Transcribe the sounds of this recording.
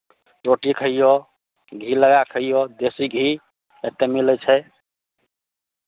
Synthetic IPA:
ɾoʈikʰəijo | ɡʱiləɡakʰəijod̪esiɡʱi | et̪ːemilɛt͡ʃʰɛ

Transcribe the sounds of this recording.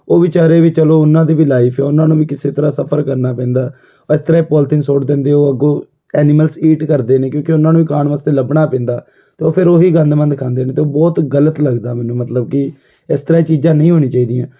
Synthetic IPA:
oːʋiːt͡ʃaːɾeːʋiːt͡ʃəloːʊnãːd̪iːʋiːlaːiːpʰɛːʊnãːnũːʋiːkɪseːt̪əɾaːsəpʰəɾkəɾnaːpɛ̃ːnd̪aː | ɪt̪ːəɾaːiːpɔːlt̪ɪŋsoːʈd̪ẽːnd̪eːoːəɡõː | ɛːniːməlsiːʈkəɾd̪eːneːkjõːkeʊnːãːnũːʋiːkaːɳʋaːst̪eːləbɳaːpɛ̃ːnd̪aː | t̪eːoːpʰɪɾoːɦiːɡə̃nd̪mə̃nd̪kʰãːnd̪eːnẽːt̪eːoːbɔːt̪ɡələt̪ləɡd̪aːmɛːnũːmət̪ləb̚kɪ | ɪst̪əɾaːit͡ʃiːd͡ʒãːnəĩːɦoːñĩːt͡ʃaːiːd̪ijãː

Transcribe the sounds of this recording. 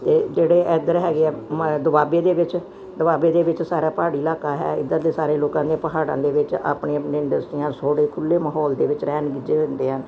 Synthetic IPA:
t̪eːd͡ʒeːɽeːʔɛd̪əɾɦɛːɡeɛːd̪əbaːbeːd̪eːʋɪt͡ʃ | d̪əʋaːbeːd̪eːʋɪt͡ʃsaːɾaːpaːɽiːlaːkaːɦɛ̰ːɪd̪əɾd̪eːsaːɾeːloːkãːd̪eːpəɦaːɽã̰ːd̪eːʋɪt͡ʃa̰ːpɳeːəpnẽɪɳɖəsʈɾijãːsoːɽeːkʰʊlːeːməɦɔːld̪eːʋɪt͡ʃɾɛːnɡɪd͡ʒeːʋɪ̃nd̪eːɦən

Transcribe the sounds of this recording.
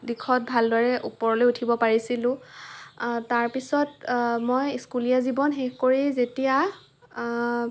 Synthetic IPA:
dikʰɔt̚bʱaldɔɹɛʔupɔɹɔlojutʰibɔpaɹisilʊ̃ | taɹpisɔtmojskulijazibɔnxexkoɹizetija

